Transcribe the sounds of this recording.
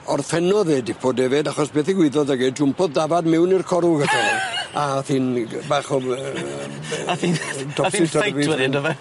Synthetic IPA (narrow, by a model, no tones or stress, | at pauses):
ɔrfɛnɔðeːdipʰodɛvedaχɔsb̥eːθiɡwɪðɔðəɡɪdʊmpʰɔðdavadmɛwnirkʰɔɾuɡatʰanɔaθiːnbaːχɔ | tʰɔɪtʰərvinoɛ